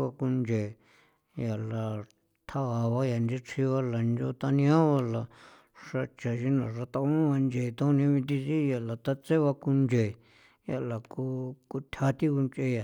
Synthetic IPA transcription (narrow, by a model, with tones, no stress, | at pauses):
a˧ku˧nd͡ʒe˨ | ja˨la˨ | t̪ʰa˦a˨βa˧˦ja˨nd͡ʒe˧t͡sʰi˧βa˧la˨nd͡ʒo˧t̪a˧nĩ˧ã˦βa˧la˨ | ʂa˧t͡ʃa˨ʃi˧nã˨ʐa˧t̪a˧ũ˦βa˧nd͡ʒe˨t̪õ˦nĩ˧˦˧βĩ˧t̪̬i˧si˦ja˨la˨t̪a˧t͡se˦βa˧ku˧nd͡ʒe˨ | ja˨la˨ku˧ku˧t̪ʲʰa˧t̪i˦ku˧nt͡ʃe˧ja˨